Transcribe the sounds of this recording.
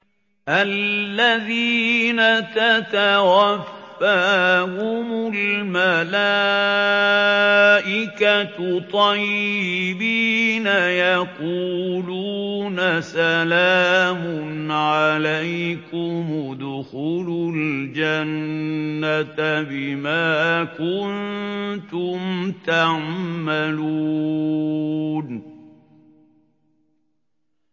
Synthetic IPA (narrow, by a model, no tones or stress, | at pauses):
ʔalːaðiːnat̪at̪awafːahʊmʊlmala | ʔɪkat̪t̪ˤɑjːɪbiːnajaquːluːnasalaːmʊnʕalajkʊmd̪ʊxuːlʊld͡ʒanː | at̪bɪmaːkʊnt̪ʊmt̪aʕmalu | n